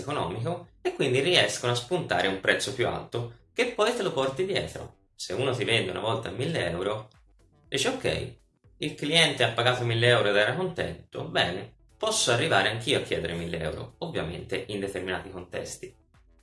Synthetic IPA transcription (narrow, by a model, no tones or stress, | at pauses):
konɔ̰ːmikoekːwind̪iriɛskonoaspunt̪a̰ːɾeumpɾɛt̪sːopjua̰lt̪ok̟epːɔjt̪elopɔrt̪id̪jɛ̰ːt̪ɾo̰ | seuːnot̪̬ivɛnd̪eṵnʔa̰vɔlt̪amːilːeɛwɾo | d̪iːt͡ʃeokːɛ̰j | ilkliɛnt̪eapːaɡaːt̪omilːeɛwɾoed̪ɛːɾakont̪ɛ̰nt̪obɛːne | pɔsːoarːivaːɾeaŋk̟iːoakʰːjɛ̰ːd̪eɾemilːḛɛ̰wɾo̰ovːja̰mḛnt̪eʔind̪et̪erminaːt̪ikont̪ɛ̰st̪i̥